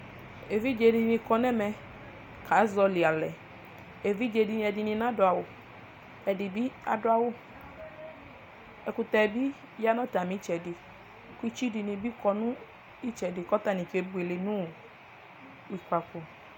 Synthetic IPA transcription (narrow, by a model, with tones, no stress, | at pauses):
e˨vi˦d͡ʒe˨˧˨dɪ˧nĩ˧kɔ˧nɛ˦mɛ˧ | kʰa˨˦zɔ˧lɪ˨a˨lɛ˨ | e˨vi˦d͡ʒe˧˨di˧n˧˦ɛ˧di˧nĩ˧nã˦dʊ˨a˨wʊ˨ | ɛ˨di˨bi˦a̰˨dʊ˦a˦wʊ˦ | ɛ˨kʊ˧tɛ˧˨bi˦ | ja˦nɔ˦ta˨mĩ˨˦t͡ʃɛ˨dɪ˨ | ku˦i˦t͡ʃi˦di˧nĩ˧bi˦kɔ˧nʊ̃˦ | i˦t͡ʃɛ˨dɪ˨kɔ˦ta˨nĩ˨ke˨˦bu˨e˨le˨nũ˦˨ | wi˨kʷa˨ko˨